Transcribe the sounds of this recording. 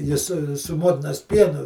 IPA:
ˈjɪ sʊ sʊ ˈmoːtʲɪnɐs ˈpʲiɛnʊ

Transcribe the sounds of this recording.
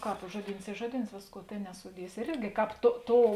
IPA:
ˈkɑːp ˈʒuɔˌdʲiːns ˈiː ˈʒuɔˌdʲiːns ˈʋʲeːsˌkuɔ ˈtʲeːn nʲɛsʊˈdʲiɛsʲɪ ɪr ˈɪrʲɡʲɪ ˈkɑːp toː ˈtoːʊ

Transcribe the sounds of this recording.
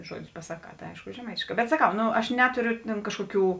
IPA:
ˈʒuɔdʲʊs pɐsɐˈkɑː tɐɪ ˈɐɪʃkʊ ʒʲɛˈmɐɪtʲeːʃˌkɑː bʲɛt sɐˈkɐʊ ˈnoː ɐʃ ˈnʲæːtoːrʲoː tʲɛn ˈkɑːʃkoːˌkʲuː

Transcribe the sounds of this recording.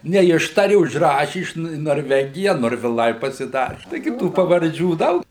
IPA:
nʲɛˈɪʃtɐrʲɪ ʊʒˈrɑːʃʲɪ ˈɪʃ nʊ ɪ noːrʲˈʋʲæːɡʲɪjɛ noːrʲʋʲɪˈlˠɐɪ pɐsʲɪˈdɑːrʲɪ tɐɪˈɡʲɪ ˈtuː pɐʋɐrʲˈd͡ʒʲuː ˈdɐʊk

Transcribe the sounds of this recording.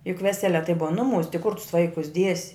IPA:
jʊk ˈʋʲæːsʲɛlʲɛ tɐɪ ˈbʊʋɐ ˈnʊˌmuːs tʲɪ kʊr tʊs ˈʋɐɪkʊs ˈdʲiɛsʲɪ

